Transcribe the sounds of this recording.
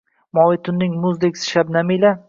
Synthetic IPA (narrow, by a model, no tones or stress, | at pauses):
mɒwɪt̪ʰʊnːɪŋmʊzd̪ɪkʲsɪ̥ʃab̚namila